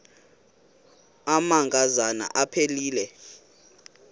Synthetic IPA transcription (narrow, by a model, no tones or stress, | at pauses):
amaŋɡʼazana̰ʔapʰeliːlɛ